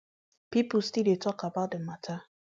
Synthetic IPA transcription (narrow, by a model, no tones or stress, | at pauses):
pipustidetɔkabat̚dəmatʰa